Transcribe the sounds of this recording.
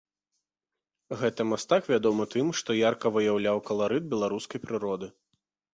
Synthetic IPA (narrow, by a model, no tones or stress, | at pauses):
ɣɛt̪ɐmast̪akvʲad̪ɔmɨt̪ɨmʂt̪ɔjarkɐvɨjawlʲawkɐlˠaɾɨd̪̚bʲɛlˠaɾuskɐjpɾɨɾɔd̪ɨ